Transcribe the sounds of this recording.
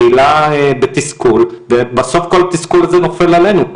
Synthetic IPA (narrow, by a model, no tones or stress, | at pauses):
ilaebet̪iskulvebaso̞fko̞lat̪iskulazeno̞felale̞nuk